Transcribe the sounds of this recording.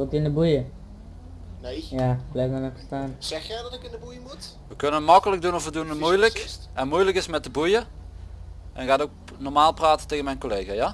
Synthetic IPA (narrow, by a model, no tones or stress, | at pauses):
otiɪnəbujə | jablɛjfdanəfə̥staːnsɛxjɛdɔtɪkɪndəbujəmut | ʋəkɵnənətmɑkələk̚dunɔfʋədunətmmujləkɛnmujləkɪsmɛt̚əbujə | ɛnkaːdok̚ | nɔrmaːlˠpraːtəteːɣənmɛjnkolejɣaja